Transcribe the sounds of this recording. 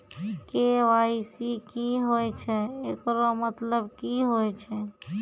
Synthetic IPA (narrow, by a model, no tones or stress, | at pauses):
keʋaisikiɦoɛt͡ʃʰɛekɾomət̪ləbkiɦoɛt͡ʃʰɛ